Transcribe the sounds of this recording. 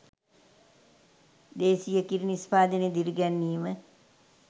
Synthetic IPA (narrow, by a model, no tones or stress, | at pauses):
d̪eːsijəkiɾinispaːd̪əned̪iɾiɡænːiːmə